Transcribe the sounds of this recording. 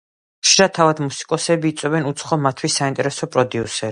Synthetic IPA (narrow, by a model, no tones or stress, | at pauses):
χʃiɾat̪ʰavad̪musi̥kʼɔsɛbiːt̪sʼwɛbɛnut̪sʰχɔmat̪ʰwisaint̪ʼɛɾɛsɔpʼɾɔd̪iusɛ